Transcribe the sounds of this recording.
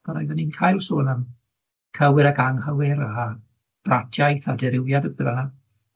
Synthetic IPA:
b̥anɔjðaninkʰaːjlˠsoːnam | kʰəwɪɾaɡaŋhəwɪɾa | b̥ratʰjajθadɛɾɪwjadəɡðəvana

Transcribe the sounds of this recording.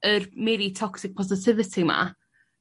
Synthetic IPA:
ərmɛɾitʰɔksɪk̚pʰɔs̬ɪtʰɪvɪtʰima̰

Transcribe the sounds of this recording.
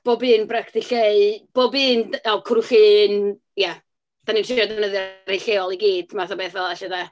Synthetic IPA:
b̥obɨːnbraktɪɬeɨb̥oːbɨːnɛlkʰɾuɬin | ja | d̥ʰaninʃɪʃɔdɛnəðjaɾejɬeɔlˠiɡiːd̥maθabeːθvɛlˠaʃɛda

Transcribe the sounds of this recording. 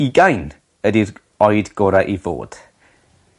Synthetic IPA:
iɡajn | ədir | ɔɨdɡ̥ɔɾaʔivo̰ːd̥

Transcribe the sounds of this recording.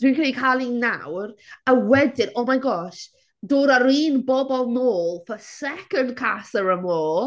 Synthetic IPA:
d̥winkʰənikʰalˠina̰wrəwɛdɪnɔmajɡɔːʃ | doːɾəɾiːnbɔbɔlˠnoːlˠfəsɛkənd̚kʰasəɹəmoːl

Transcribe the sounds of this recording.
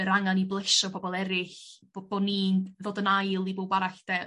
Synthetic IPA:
əɾaŋaniblˠeʃɔbʰɔbɔlˠɛɾɪɬbob̥oniðoːdənajlˠibowbaɾaɬd̥ɛ

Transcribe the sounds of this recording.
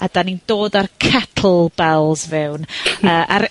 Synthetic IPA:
ad̥anindoːdarkʰatʰl̩ˠbɛlˠzvɛwnəːʔaɾ

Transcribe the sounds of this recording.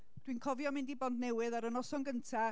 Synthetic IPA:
d̥winkʰɔvjɔmɪndibɔndnɛwɨðaɾənɔsɔŋɡəntʰa

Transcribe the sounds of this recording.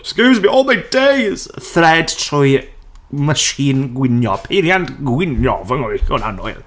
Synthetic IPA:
skʉzbiɔːlˠmajdejz̥θrɛd̥tʰrʊj | məʃiːnɡwɪnjɔpʰeɾjandɡwɪnjɔ̰vəŋɔikɔna̰nɔ̰ɨlˠ

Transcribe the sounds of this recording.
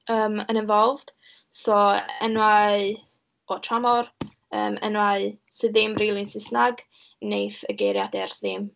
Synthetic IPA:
əːmənɪnvɔlˠvd̥ | sɔə̰nwaɨ | ɔtʰramɔr | ə̰ːmə̰nwaɨsɨðɪmrelˠɪnsɪsnaɡ | nejθəɡejɾjadɛrðɪm

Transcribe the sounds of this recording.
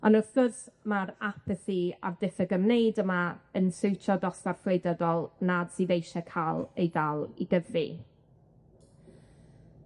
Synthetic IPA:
ɔnəθəsmaɾapʰəθia̰vdɪθəɡəmnejdəmaənsɨwtʰɔdɔsparflejdəðɔlˠnad̥siðejʃɛkʰalˠejdalˠiɡəvri

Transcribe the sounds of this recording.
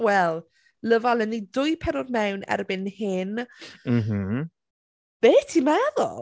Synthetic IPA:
wɛlˠ | ləvalˠənidʊjpʰɛɾɔdmɛwnɛ̰rbɪnhɪnm̩m̥m̩ | b̥eːtʰimaðɔ̰

